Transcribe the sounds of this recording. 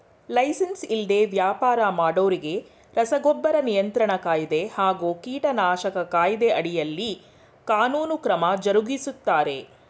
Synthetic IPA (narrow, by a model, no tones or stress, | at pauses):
lɐjsɐnsild̪e̞ʋjaːpaːɾɐmaːɽoːɾiɡe̞ | ɾɐsɐɡɔbːɐɾɐnijɐnt̪ɾɐɳɐkaːjid̪e̞haːɡuːkiːʈɐnaːʃɐkɐkaːjid̪e̞ʔɐɽijɐlːi | kaːnuːnukɾɐmɐd͡ʒɐɾuɡisut̪ːaːɾe̞